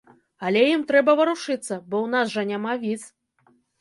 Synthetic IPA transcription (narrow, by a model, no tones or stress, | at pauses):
ɐlʲɛjimt̪ɾɛbɐvɐɾuʂɨt̪sːɐbɔwnasʐɐnʲamavʲiz